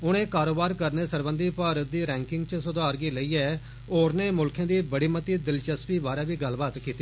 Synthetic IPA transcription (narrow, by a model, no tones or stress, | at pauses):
ʊɽ̃ẽːkaːɾoːbaːɾkəɾneːsəɾbə̃nd̪iːpaːɾət̪̚d̪iːɾɛ̃ːŋkɪŋɡt͡ʃəsʊd̪aːɾɡiːləiːɛː | oːɾneːmʊlkʰjãːd̪iːbəɽiːmət̪iːd̪ɪlt͡ʃəspiːbaːɾaːʋiːɡəlbaːt̪kiːt̪ːiː